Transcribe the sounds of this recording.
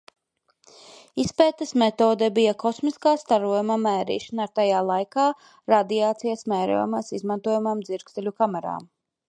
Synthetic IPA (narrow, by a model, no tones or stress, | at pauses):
ispɛːt̪ɐsmɛt̪oːd̪ɛbijakɔsmiskaːst̪aɾuɔjumamɛːɾḭːʃanaɾt̪ajaːlˠajkaː | ɾad̪iaːt̪sijasmɛːɾṵːjumasizmant̪uɔjumamd̪ziɾɡzɛlʲukamɛɾa̰ːm